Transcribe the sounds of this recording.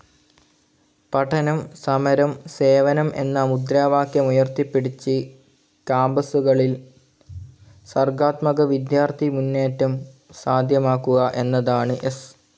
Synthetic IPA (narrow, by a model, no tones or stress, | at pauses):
pɐʈʰɐnɐmsɐmɐɾɐmse̞ːʋɐnɐmʔe̞̰nːaːmud̪ɾaːʋaːkjɐmujɐrt̪ipːeɽit͡ɕːɨ | kaːmbɐsuɣɐɭil | sɐrɡaːt̪mɐɣɐʋid̪jaːrt̪ʰimunːeːtːɐmsaːd̪ʱjɐmaːkːuɣɐʔe̞nːɐðaːɳɨʔes